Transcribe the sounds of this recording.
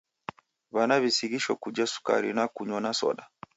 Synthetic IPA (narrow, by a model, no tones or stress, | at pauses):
βanaβisiɣiʃɔkud͡ʒasu̥ka̰ɾḭnakuɲɔnasɔ̰ɗa